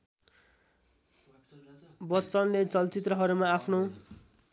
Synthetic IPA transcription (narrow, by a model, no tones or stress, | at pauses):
bʌtːt͡sʌnlet͡sʌlt͡sit̪rʌɦʌɾumaːpʰno